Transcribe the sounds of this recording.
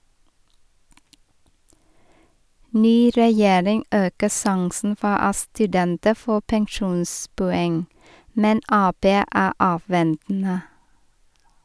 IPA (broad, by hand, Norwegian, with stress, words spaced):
ˈnyː ɾɛˈjeːɾɪŋ ˈʔøːkə ˈsɑŋsn̩ ˈfɔ ˈɑ stʉˈdɛntə ˈfoː pɛŋˈʃuːnspʊˌɛŋ ˈmɛn ˈɑːˌpeː ˈæː ˈʔɑːˌʋɛntn̩ə